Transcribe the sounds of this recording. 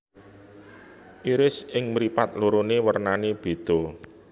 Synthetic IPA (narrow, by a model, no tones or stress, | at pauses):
ʔiɾɪsɪŋmɾipat̪̚luɾonewərnaneb̥e̤d̪̥o̤